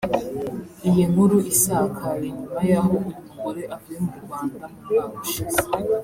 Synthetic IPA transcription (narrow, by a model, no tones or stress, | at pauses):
ijiŋhuɾuʔisaːkʰaiɲumajaɦo̞umuukoɾe̞ʔaviemuɾuɡaːndaamuʃazḁ